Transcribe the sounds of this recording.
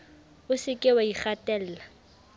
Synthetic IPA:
ʊsɪkʼɪwaiχatʼɛːl̩ːla

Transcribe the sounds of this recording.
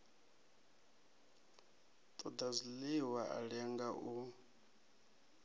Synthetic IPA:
t̪ʼɔd̪azʷiliwaʔa̰ɺɛŋɡaʔu

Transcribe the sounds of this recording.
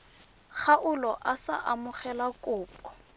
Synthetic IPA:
χaʔʊlɔʔasa̰ʔamʊχɛlakʼʊːpʼɔ̥

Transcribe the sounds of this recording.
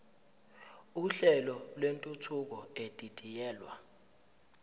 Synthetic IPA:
uɬɛlɔlwentʼutʰuk̬ɔed̥ʱʼid̥ʱijɛːlwa̰

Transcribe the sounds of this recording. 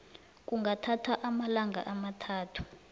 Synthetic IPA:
k̬uŋɡatʰatʰaʔamalaŋʱa̰ʔamatʰaːtʰu̥

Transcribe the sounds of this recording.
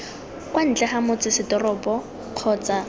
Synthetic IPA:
kwan̩t͡ɬɛχamʊt͡sʼɪsɪdɔrɔpʼɔ | q͡χʰɔːt͡sa

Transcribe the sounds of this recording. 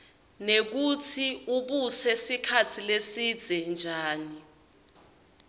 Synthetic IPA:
nek̬ut͡sʰiuɓusɛsikʰat͡sʰilesid̥z̥ʱɛnd͡ʒʱaːni

